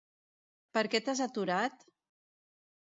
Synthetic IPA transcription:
pəɾkɛt̪azat̪uɾat̪

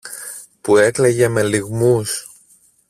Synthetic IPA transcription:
pue̞kleʝeme̞liɣmus

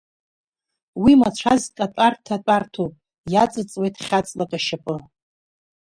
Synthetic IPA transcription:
wimat͡ɕʷʰazkʼatʷʼartʰat͡pʷʼartʰopʼ | jat͡sʼɨt͡sʼwe̞jtʰχʲat͡sʼlakʼaʃapʼɨ

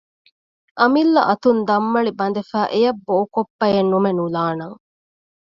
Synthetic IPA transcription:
ʔɐmilːɐ̰ʔɐt̪und̪ɐmːɐɭibɐnd̪efæːʔejɐbːoːkopːɐjenːumenulaːnɐŋ

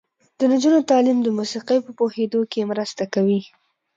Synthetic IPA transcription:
d̪̥əd̪əd͡ʒunot̪ɑlimd̪əmusiqijpəpohed̪okemɾəst̪akawi

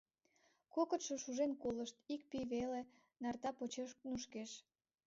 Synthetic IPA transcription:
kokə̆t̪ʃoʃuʒenkoləʃt̪ik̚piβele | nɑrt̪ɑpot͡ɕeʃnuʃkeʃ

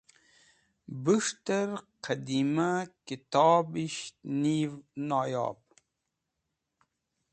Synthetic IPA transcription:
buʂt̪ɐɾqʰɐd̪imakit̪ɑːbiɕnivnɑːjɑ̰ːb̚

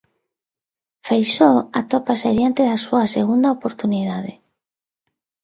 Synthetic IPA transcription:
fejsoat̪opaseðjant̪eðasuaseɣund̪aopoɾt̪uniðaðe

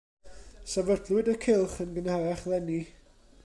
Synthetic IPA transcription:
savərdlˠwɪdəkʰɪlˠχənɡənhaɾɛχlˠɛni

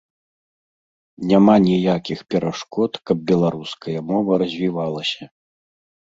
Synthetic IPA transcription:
nʲamanʲijakʲixpʲɛɾʔaʂkɔt̪kɐb̚bʲɛlˠaɾuskɐjɐmɔvɐɾɐzʲvʲivalˠɐsʲɐ

